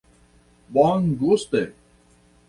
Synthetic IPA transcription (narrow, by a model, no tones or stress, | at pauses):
baːŋɡoːst̪e